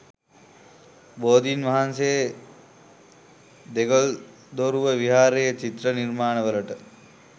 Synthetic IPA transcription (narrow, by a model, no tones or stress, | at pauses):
boːd̪iːnʋaɦansejə | d̪eɡol | d̪oɾuʋəʋiɦaːɾejət͡ʃit̪rənirmaːnəʋələʈə